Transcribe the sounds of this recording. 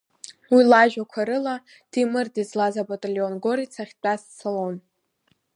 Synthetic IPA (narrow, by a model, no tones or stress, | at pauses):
wilaʒᶣakʷʰaɾɨla | d̥imɨrdizlazabatʼalionɡo̞ɾit͡sʰaχʲt͡pʼast͡sʰalon